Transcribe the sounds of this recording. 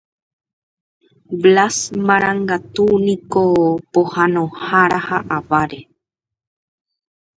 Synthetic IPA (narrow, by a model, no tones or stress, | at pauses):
blasmãɾaŋɡat̪unikopohanohaɾahaʔaβaɾe